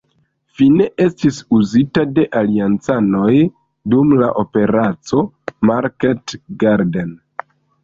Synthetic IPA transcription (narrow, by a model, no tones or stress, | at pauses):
fine̞ʔe̞stisuzitade̞ʔaliant͡sano̞j | dumla̰ʔo̞pe̞ɾat͡so̞ | maɾketɡaɾden